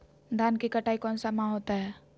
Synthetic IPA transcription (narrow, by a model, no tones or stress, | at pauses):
d̪ʱaːnkikəʈʰaːikɔ̃ːnsamãɦoːt̪aɦɛː